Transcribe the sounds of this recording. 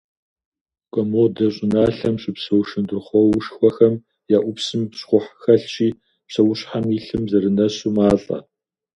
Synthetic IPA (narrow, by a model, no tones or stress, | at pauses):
kʷʼɔmoːdɐɕʼɪnaːɬɐmɕʼɪpsɐwʃɨndɨrχʷɔwʊʂxʷɔxɐm | jaːʔʷʊpsɨmpɕχʷʊħxɐɬt͡ʃʼiː | psɐwʊɕħamiɬɨmzɐɾɨnɐɕuːmaːɬʼɐ̰